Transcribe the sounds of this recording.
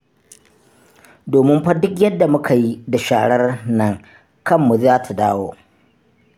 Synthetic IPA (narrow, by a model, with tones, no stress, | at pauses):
doː˨mɪ˦mɸɐ˦dʊ˦kjɐ˦dːa˨mʊ˦kʰa˨ji˦da˨ʃaː˨ɽɐ˦rnɐ˦ŋ | kɐ˦mːu˨zaː˦tʰa˨daː˦wo̰ː˦